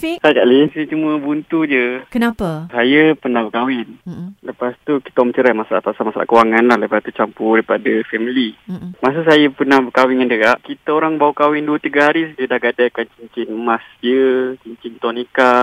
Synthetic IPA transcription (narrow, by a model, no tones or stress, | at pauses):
fesad͡ʒaʔlisət͡ʃuməbunt̪ud͡ʒəkənapəsajəpənahbəkawɪnləpast̪uki̥t̪aɔmət͡ʃəɾamasala̰t̪asamasala̰ʔkəwaŋanlahləpast̪ut͡ʃampuɾipadafɛmilimas̬əsajəpənahbəkawɪnŋandəɡaʔkit̪aoɾaŋbawukawɪnduət̪iɡaɦaɾisad͡ʒədahɡadakant͡ʃiɲt͡ʃɪnmasd͡ʒət͡ʃiɲt͡ʃɪnt̪ɔnika